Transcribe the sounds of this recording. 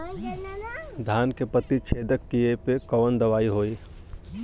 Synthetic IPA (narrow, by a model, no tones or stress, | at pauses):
d̪ʱaːnkepət̪it͡ʃʰeːd̪əkːiepekɔːənd̪ɐʋaːiɦoːiː